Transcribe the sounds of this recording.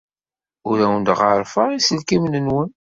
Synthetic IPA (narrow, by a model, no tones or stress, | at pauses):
ʊɾæwənd̪ʁəɾˤfəʁisəlkimnənwən